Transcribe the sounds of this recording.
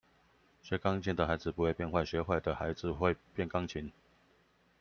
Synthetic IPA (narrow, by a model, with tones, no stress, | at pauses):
ɕɥɛ˨˥kɑ˥ŋt͡ɕʰi˨˦nd̪ə˨xa˧˥ɪd͡zɹ̩˨pu˧˦xwe˥˧ɪpjɛ˥˧nxwa˥˩ɪɕɥɛ˧˥xwa˥˩ɪd̪ə˩xa˧˦ɪd͡zɹ̩˨˦xwe˥˧ɪpjɛ˥˨nkɑ˥˦ŋt͡ɕʰi˨˦n